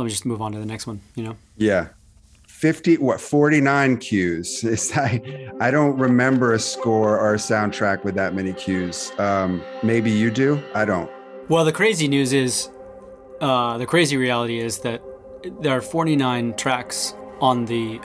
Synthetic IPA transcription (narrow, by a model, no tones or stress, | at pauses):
lɛt̚mid͡ʒʌsmuvn̩tɨðɨnɛkst̚wʌ̃njɨnoʊ | jæ | fɪftiwʌtfɔɹɾinãɪ̃nkʰj̥ʉz̥ɪzaɪaɪɾõʊ̃nt̚ɹɨmɛ̃mbə˞ɨskɔɹə˞ɨsãʊ̃ntʰɹ̥ækwɨðɨt̚mɛñikʰj̥ʉz̥ʌ̃mːeɪbijɨdʉaɪɾõʊ̃nt̚ | wɛlˠðɨkʰɹ̥eɪzinjʉzɪz̥ | ʌðɨkʰɹ̥eɪziɹiælˠəɾiɪzðɨt̚ | ðə˞ːfɔɹɾinãɪ̃ntʰɹ̥æksn̩ði